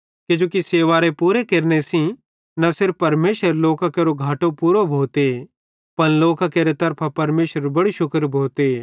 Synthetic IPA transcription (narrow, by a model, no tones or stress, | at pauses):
ked͡ʒoːkiseːʋaːɾepuːɾekeɾnesĩ | nɐsɪɾpːɐɾmeːʃəɾloːkakeːɾoɡʱaːʈõpuːɾobʱoːt̪e | pɐnloːkakeːɾet̪ɐɾpʰapɐɾmeːʃəɾbɐɽiʃʊkəɾbʱoːt̪e